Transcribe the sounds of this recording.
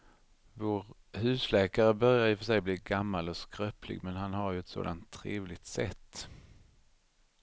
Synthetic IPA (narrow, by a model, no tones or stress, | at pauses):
voːɾ | hʉ̟ːslɛːkaɾəbœɾjaɾjɵfœʂɛjbliːɡamːalɔskɾœplɪ̰ɡmɛnɦanɦaɾjɵɛt̪so̰ːd̪ant̪ʰːɾeːvlɪɡ̚t̪sɛ̰t̪ː